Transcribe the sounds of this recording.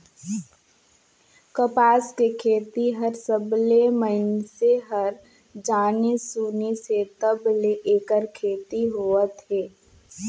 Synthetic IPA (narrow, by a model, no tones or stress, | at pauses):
kəpaːskekʰeːt̪iɦɐɾsəbleməɪnseɦəɾ | d͡ʒaːnisuːniset̪əbleʔeːkəɾkʰeːt̪iɦoət̪ɦeː